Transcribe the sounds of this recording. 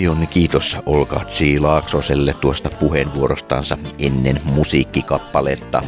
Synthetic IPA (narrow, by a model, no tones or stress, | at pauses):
jonkiːt̪osolkɑ̰ːt̪siːlɑːksoselːet̪t̪uost̪ɑpuhenʋuoɾost̪ɑ̰nsɑenːenmusiːkːikɑpːɑleːt̪ːɑ̰